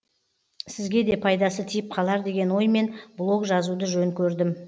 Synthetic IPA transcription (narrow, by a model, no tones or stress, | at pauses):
sɪzɡʲe̞d̪e̞pʰɑjd̪ɑsət̪ʰijɪp̚qʰɑlˠɑɾd̪e̞ɡʲe̞nwo̞jme̞nblˠo̞kʒɑzud̪əʒɵŋkʲʰɵɾd̪ɪm